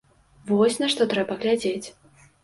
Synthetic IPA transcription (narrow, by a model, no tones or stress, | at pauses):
vɔsʲnɐʂt̪ɔt̪ɾɛbɐɣlʲad͡zʲet͡sʲ